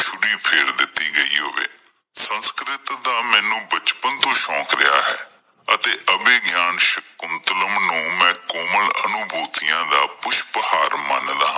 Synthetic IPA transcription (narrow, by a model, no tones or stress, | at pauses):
t͡ʃʰʊɽiːpʰeːɽd̪ɪt̪ːiːɡəḭːɦoːʋḛː | sənskɾɪt̪d̪aːmɛ̃ːnũːbət͡ʃpənt̪õːʃɔ̃ːkɾɪja̰ːɦɛ̰ː | ət̪eːʔəbeːɡjaːnʃəkːʊnt̪ələmnũːmɛ̃ːkoːmələ̰nʊbʱuːt̪ɪjãːd̪aːpʊʃpəhaːɾmənlaː